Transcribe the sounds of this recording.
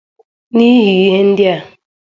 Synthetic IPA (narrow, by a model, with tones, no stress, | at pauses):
ni˦ɦi˨i˦ɦe˦n̩˦dja˨